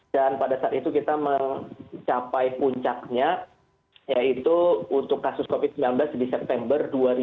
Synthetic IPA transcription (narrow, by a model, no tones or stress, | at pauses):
danpadasaat̪it̪ukit̪aməŋt͡ʃapajpuɲt͡ʃak̚ɲa | jait̪uunt̪ʊkːasʊskofɪd̪̚səmbilanblasdisɛp̚t̪ɛmbərduaɾi